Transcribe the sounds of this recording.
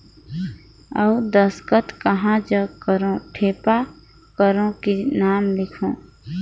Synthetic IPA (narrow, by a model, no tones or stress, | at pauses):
əud̪əskət̪kəɦãd͡ʒəkəɾõʈʰeːpa | kəɾõkinaːmlɪkʰõː